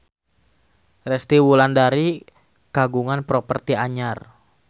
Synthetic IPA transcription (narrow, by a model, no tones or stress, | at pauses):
rɛst̪iwulandaɾi | kaɡuŋanpɾɔpərt̪iaɲar